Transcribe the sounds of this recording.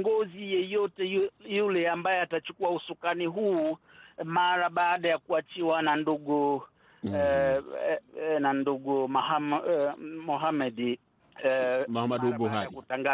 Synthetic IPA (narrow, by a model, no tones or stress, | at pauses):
ŋɡɔzijɛjɔtɛjulɛambajɛatat͡ʃukuausukaniɦuːmaɾaɓaːɗajakuat͡ʃiwananduɡu | nanduɡuma | mɔɦamɛd | mhamadbuakutaŋɡa